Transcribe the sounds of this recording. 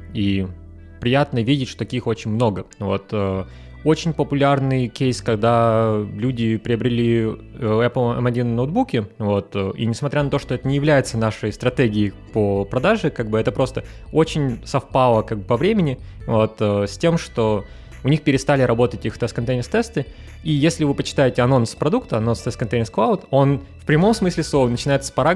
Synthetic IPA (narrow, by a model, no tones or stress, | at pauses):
i | pɾʲɪjat̪nəvʲidʲɪtʲʂt̪ot̪ɐkʲixo̞t͡ɕɪnʲmno̞ɡəvo̞t̪ə | ot͡ɕɪnʲpəpʊlʲarnɨjkʲejskɐɡd̪alʲudʲɪpɾʲɪəbɾʲɪlʲi | ɛplˠɐ̰mɐdʲinnowd̪̚bukʲɪvo̞t̪əʔḭnʲɪsmɐt̪ɾʲanɐt̪o̞ʂt̪oɛt̪ənʲɪjɪvlʲæjɪt̪sənaʂəjst̪ɾɐt̪eɡʲɪɪpəpɾɐd̪aʐɨkaɡ̚bɨɛt̪əpɾo̞st̪ə | ot͡ɕɪnʲsɐfpalˠəkaɡ̚bɨpɐvɾʲemʲɪnʲɪ | vo̞t̪əsʲtʲe̞mʂt̪o̞ | ʊnʲixpʲɪɾʲɪst̪alʲɪɾɐbo̞t̪ətʲixft̪ɛst̪kɐnt̪ejnʲɪst̪ɛst̪ɨ | ijesʲlʲɪvɨpət͡ɕːɪ̥t̪ajɪtʲɪɐno̞nspɾɐd̪ukt̪əɐno̞nst̪ɛst̪kɐnt̪ejnʲɪsklˠaʊt̪o̞n | fpɾʲɪmo̞msmɨsʲlʲɪsonət͡ɕɪnajɪt̪sə̥spɐɾa